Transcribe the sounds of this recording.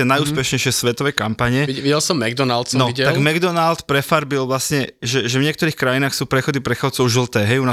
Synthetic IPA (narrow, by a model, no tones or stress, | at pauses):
ɛnajuːspɛʃɲɛjʃɪɛsʋɛt̪ɔʋɛːkampaɲɛiʋiɟɛlsɔmːɛɡd̪ɔnalˠt̪snɔiɟɛt̪aɡmɛɡd̪ɔnalt̪pɾɛfaɾbilʋlasɲɛʒɛʒɛvɲɪɛkt̪ɔɾiːxkɾajinaːxsuːpɾɛxɔd̪ipɾɛxat͡sɔʊʒilt̪ɛːɦɛjuna